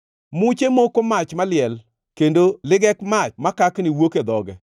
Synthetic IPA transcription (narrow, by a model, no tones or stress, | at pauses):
mʊt͡ʃemokomat͡ʃmalɪɛl | kendolɪɡɛkmat͡ʃmakaknɪwoked̪ɔɡɛ